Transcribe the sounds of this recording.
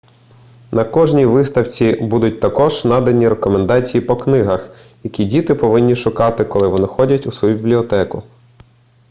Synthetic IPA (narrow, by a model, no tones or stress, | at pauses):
nɐkɔʒnʲiʋɪst̪ɐwt͡sʲibud̪ʊt̚ʲt̪ɐkɔʒnɑd̪ɐnʲiɾekɔmend̪ɑt͡sʲijipɔknɪɦɐxjɐkʲidʲit̪ɪpɔʋɪnʲːiʃʊkɑt̪ɪkɔlˠɪʋɔnɪxɔdʲɐtʲusʋɔjubʲibʲlʲiɔt̪ɛkʊ